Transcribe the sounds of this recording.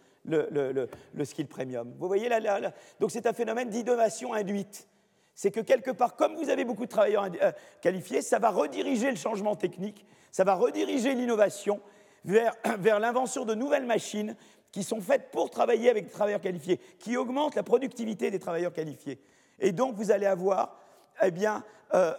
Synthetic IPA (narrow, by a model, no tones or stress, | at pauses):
lələlələskʲilpχemjɔmvuvwajelalalad̪ɔ̃ksɛt̪ɛ̃fenɔmɛnd̪id̪ɔnasjɔ̃ɛ̃d̪ɥit̪ | sɛkəkʲɛlkəpaʁkɔmvuzavebokud̪ət̪χavajœʁɛ̃ | kalifjesavaʁəd̪iʁiʒeləʃɑ̃ʒmɑ̃t̪ɛknik | savaʁəd̪iʁiʒelinɔvasjɔ̃ | vɛʁvɛʁlɛ̃vɑ̃sjɔ̃d̪ənuvɛlmaʃin | kʲisɔ̃fɛt̪̚puʁt̪χavajeavɛk̚d̪et̪χavajœʁkalifjekʲiɔɡmɑ̃t̪lapχɔd̪yk̚t̪ivit̪ed̪et̪χavajœʁkalifje | ed̪ɔ̃kvuzaleavwaːʁ | ebjɛ̃ø